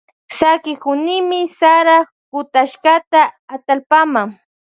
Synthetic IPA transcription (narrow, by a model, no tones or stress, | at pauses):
sakɪkʊnɪmɪsaɾa | kʊt̪aʃkat̪aːt̪alpamaŋ